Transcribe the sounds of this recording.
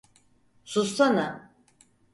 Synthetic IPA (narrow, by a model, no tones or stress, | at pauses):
sust̪ʰana